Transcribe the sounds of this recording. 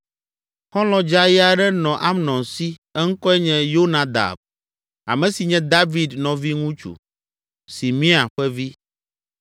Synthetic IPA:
xɔ̃˦lɔ̃˨d͡ʒa˦ja˨ɖɛ˦nɔ̃˨ʔa˦mnɔ̃˨nsi˦ɛ˦ŋ̩˦kɔ˦ɛ˦ɲɛ̃˦jo˦nã˨d̪a̰˨b̚ | a̰˨mɛ̃˨si˨ɲɛ̃˦d̪a˦vi˨d̪nɔ̃˨vi˦ŋũ˦t͡ʃṵ˨ | si˨mĩ˦a˨ɸɛ˦vi˦

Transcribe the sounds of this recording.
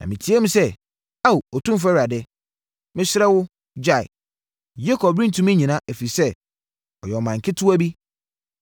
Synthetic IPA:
nã̰˨mɪ̃˨tʰi˨˦e˦mũ˦sɛ˦ | a˦˨u˨ɔ˨tʰũ˦m˦f̬æ˦ɾi˨a˨dɛ˦ | mɪ̃˦ɕɪ˦ɾɛ˦wʊ˦ | d͡ʑa˦˨ɪ̰˨ | je˦kʰɔ˨bɾĩ˦n˨tʰũ˨˦mĩ˦ɲĩ˨nã˦ʔæ˨fi˨sɛ˦ | ɔ˨jɛ˨ɔ˨mã˨ŋ̩˨kʰɪ˦tʰu˦æ˦bi˦

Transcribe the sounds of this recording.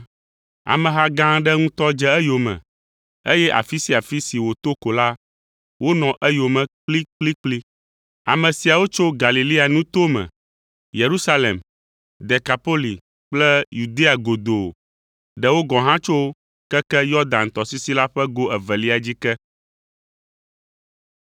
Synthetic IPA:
a̰˨mɛ̃˨ɦa˦ɡã˦ɖɛ˦ŋũ˦t̪ɔ˦d͡ʒɛ˦ɛ˦jo˨mɛ̰̃˨ | e˦jɛ˦ʔa̰˨fi˦si˦a˨fi˦si˨wo˨t̪o˦ko˨la˦ | wo˦nɔ̃˨ʔɛ˦jo˨mɛ̃˨k͡pli˦k͡pli˦k͡pli˦ | a̰˨mɛ̃˨si˨a˨wo˦t͡ʃo˦ɡa˨li˨li˦a˨nũ˦t̪o˦mɛ̰̃˨ | je˨ɾu˦sa˦le˨m | d̪ɛ˨ka˨po˦li˨ | k͡plɛ˦ju˨d̪e˦a˨ɡo˨d̪o̰˨ | ɖɛ˦wo˦ɡɔ̃˨ɦã˦t͡ʃo˦ | kɛ˦kɛ˦jɔ˦d̪ã˨nt̪ɔ˨si˦si˦la˦ɸɛ˦ɡo˦ɛ˨vɛ˨li˦a˨d͡ʑi˦kɛ˦

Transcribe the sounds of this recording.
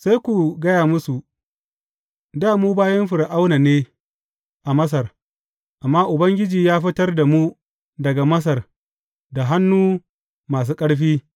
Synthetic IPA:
sa˦jkʷu˨ɡɐ˦jaː˨mʊ˦su˨ | daː˦muː˦baː˦jɐ˦mɸɪ˨ɽʔa˦wna˨neː˦ | ʔa˨mɐ˦s̬ɐ˨r | ʔa˨mːaː˦ʔʊ˨bɐ˦ŋɡʲɪ˦d͡ʒiː˨jaː˦ɸɪ˦tɐ˦rda˨mu˦ | dɐ˨ɡa˨mɐ˦s̬ɐ˨r | da˨ɦa˦nːuː˦ | maː˨s̬uː˦kʼɐ˦ɽɸiː˦

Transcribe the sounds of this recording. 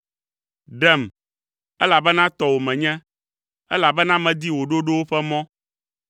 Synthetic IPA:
ɖɛ˦˨m | ɛ˦la˨bɛ˦nã˦t̪ɔ˨wo˨mɛ̃˨ɲɛ̃˦ | ɛ̰˦la˨bɛ˦nã˦mɛ̃˨d̪i˦wo˨ɖo˦ɖo˦wo˦ɸɛ˦mɔ̃˦

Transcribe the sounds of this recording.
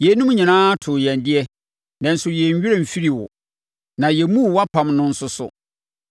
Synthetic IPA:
jɛ˨˦nũ˦m˦ɲã˨nãː˦a˦tʰʊ˨jɛ̃˨n˨dɪ˦ɛ˦ | nɛ̃˨n̩˦sʊ˦jɛ˨ɲ˨ɥᶣi˦e˦m̩˨fi˦ɾi˨wʊ̰˨ | nã˨jɛ˨˦mũ˦˨wa˦pʰã˨mnʊ̃˦n̩˦sʊ˦sʊ̰˨

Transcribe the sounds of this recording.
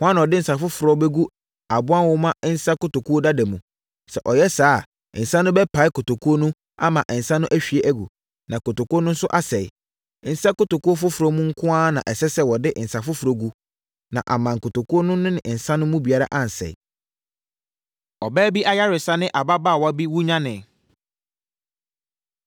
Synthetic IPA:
hʊ˦ã˦ñ˨ɔ˨dɪ˦n̩˨sa˨fʊ˦fʊ˨ɾɔ˦be˦ɡu˦ | a˨bʊ˦ã˦nwɔ˦mã˦n̩˦sa˦kʊ˦to˨kʰu˦o˦da˦dɛ˨mũ˨ | sɛ̰˨ʔɔ˨jɛ˦saː˦˨ | n̩˨sã˦nʊ̃˦bɛ˦pʰa˨ɪ˦kʊ˨to˨kʰu˦o˦nũ˦ | a̰˦mã˨ʔn̩˨sã˦nʊ̃˦ʔæ˦ɕᶣi˨e˦ʔæ˦ɡṵ˨ | nã˨ko˨to˨ko˦nʊ̃˦n̩˦sʊ˦ʔa˦sɛ˨ɪ̰˨ | n̩˨sa˦kʊ˦to˨ku˦o˦fʊ˦fʊ˨ɾo˦mũ˦ŋ̩˦kʰʊ̃˦a˦nã̰˨ʔɛ˨sɛ˦sɛ˦wɔ˨dɪ˦ʔn̩˨sa˨fʊ˦fu˨ɾo˦ɡu˦ | nã̰˨ʔa˨mã˨ŋ̩˨kʰʊ˨to˨kʰu˦o˦nʊ̃˦nʊ̃˦nɪ̃˨ʔn̩˨sã˦nʊ̃˦mũ˦bi˨a˦ɾa̰˦ʔã˦n̩˨sɛ̰˨ɪ̰˨ | ɔ˨bæː˦bi˦ʔa˦ja˦ɾɪ˨sa˦nɪ̃˦ʔa˨ba˦baː˦˨wɔ˦a˦bi˦wu˦ɲã˦nɪ̃˨

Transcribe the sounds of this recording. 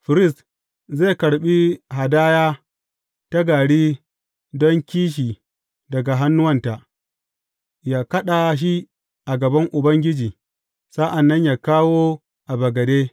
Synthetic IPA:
ɸɪ˨ɾɪ˦˨st | ze˦˨kɐ˨ɽɓi˦ɦa˨daː˦jaː˦ | ta˦ɡaː˨ɽiː˦ | dɔ˦ŋkʲiː˦ʃ̬iː˨ | dɐ˨ɡa˨ɦa˦nːʊ˦wɐ˦nta˨ʔ | jaː˦kɐ˦ɗa˨ʃ̬i˦ | ʔa˨ɡɐ˨bɐ˦ŋʔʊ˨bɐ˦ŋɡʲɪ˦d͡ʒiː˨ | sa˦ʔa˨nːɐ˦ɲjaː˨kaː˦woː˦ | ʔa˨bɐ˨ɡɐ˨deː˦

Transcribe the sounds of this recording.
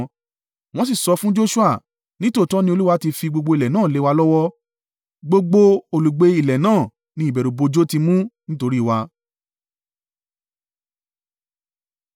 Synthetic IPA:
w̃ɔ̃˦s̬i˦˨sɔ˧fũ˦d͡ʒo˦ʃu˦a˦˨ | nĩ˦to˦˨tɔ˦nĩ˦o˧lu˦wa˧˦ti˧fi˧ɡ͡bo˧ɡ͡bo˧i˨lɛ˨nãː˦˨le˨˦wa˧lɔ˦wɔ˦ | ɡ͡bo˧ɡ͡bo˧o˨lu˨ɡ͡be˧i˨lɛ˨nãː˦˨ | nĩ˧˦i˨bɛ˨ɾo˨bo˧d͡ʒo˦ti˧mũ˦nĩ˦to˧ɾi˦˨wa˧

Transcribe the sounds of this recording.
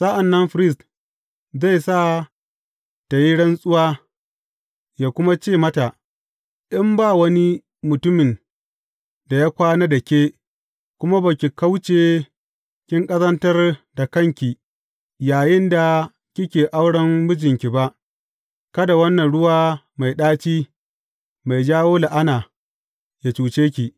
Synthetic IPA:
sa˦ʔa˨nːɐ˦nɸɾɪ˦st | za˦˨jsaː˦˨ | ta˨ji˦ɽɐ˦nsʼʊ˦waː˦ | jaː˨kʷʊ˦ma˦t͡ʃeː˦˨mɐ˦ta˨ʔ | ɗɪ˦mbaː˦˨wɐ˦ni˦ | mʊ˨tʊ˦mɪ˨n | da˨ja˦kʷaː˦na˦dɐ˨kʲeː˦ | kʷʊ˦ma˦ba˨kʲi˨ka˦wt͡ʃeː˨ | kʲɪ˦ŋkʼɐ˦zɐ˦ntɐ˦rda˨kɐ˦˨ŋkʲi˨ | jaː˨jɪ˦nda˨ | kʲɪ˦kʲeː˨ʔa˦wɽɐ˦mbʊ˦d͡ʒɪ˨ŋkʲi˨ba˦ʔ | kɐ˦da˨wɐ˦nːɐ˨nɽʊ˦waː˦ | ma˨jɗaː˦t͡ʃiː˦ | ma˨jd͡ʒaː˦woː˦la˨ʔa˦naː˨ | ja˨t͡ʃuː˨t͡ʃeː˦kʲi˨ʔ

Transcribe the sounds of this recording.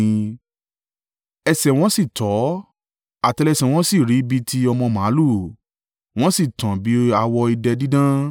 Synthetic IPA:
ɛ˧sɛ˨w̃ɔ̃˦si˦˨tɔ˨˦ | a˨tɛ˧lɛ˧sɛ˨w̃ɔ̃˦si˦˨ɾi˨˦bi˦tʰi˧ɔ˧mɔ̃˧mã˨˦lu˦˨ | w̃ɔ̃˦si˦˨tã˨bi˨˦a˧wɔ˧i˧dɛ˧di˦dã˦

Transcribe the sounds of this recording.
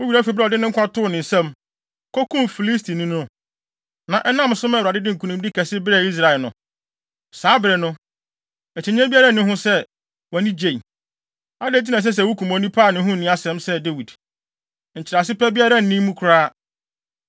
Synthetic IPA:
wʊ˦ɥi˨ɾæ˦fi˨bɾɛ˦ɔ˨dɪ˦nʊ̃˦ŋ̩˦kʰʷã˦tʰʊ˦˨nɪ̃˨sɛ̃˦m | kʰɔ˦kʰũ˦mfi˨li˦stʰi˨nĩ˦nʊ̃˦ | nã˨ʔɛ˦nã˦m˨sʊ̃˦mɛ̃˦˨wɾa˨dɪ˦dɪ˦ŋ̩˨kʰu˨nũ˦m˦dɪ˦kʰɛ˨sɪ˦bɪ˦ɾɛ˦˨i˦s̬ɾa˨lnʊ̰̃˨ | saː˨˦bɪ˨ɾɛ˨nʊ̃˦ | ɛ˨t͡ɕʰɪ˨ɲ˦ɛ̃˦bi˦a˦ɾa˦˨nʊ̃˦ɦʊ̃˦sɛ˦ | wɔ˨nĩ˦d͡ʑe˨i˨ | a˦de˨˦˨t̬ʰi˦nã˨s̬ɛ˦s̬ɛ˨wʊ˦kʰũ˨mɔ̃˨˦nĩ˦pʰaː˦˨nɪ̃˦ɦʊ̃˦n̩˨nɪ̃˦a˦sɛ̃˨˦msɛ˦de˦wi˨d | ɲ̩˨t͡ɕʰɪ˨ɾa˨sɪ˦pɛ˦bi˦a˦ɾa˦n̩˨nĩ˦mũ˦kʰʊ˨ɾaː˦

